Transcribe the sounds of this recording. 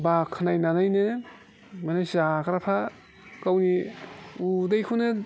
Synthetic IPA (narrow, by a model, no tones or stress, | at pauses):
bakʰːɯnajnanajnɯ | manajsakɾapʰa | kawniudajkʰunɯ